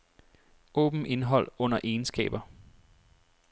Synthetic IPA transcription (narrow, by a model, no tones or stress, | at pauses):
ɔ̰ːb̥m̩ʔe̝nɦɒ̽l̰ɔ̽n̰ɐʔe̝ːnsɡ̥ɛ̰ːb̥ɐ